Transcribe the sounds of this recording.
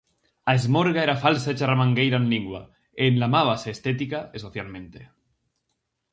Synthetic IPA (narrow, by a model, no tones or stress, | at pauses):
aezmoɾɣaeɾafalsaet͡ʃaramãŋɡejɾanliŋɡwa̰ | enlamaβaseːst̪et̪̬ikaesoθjalmẽnt̪e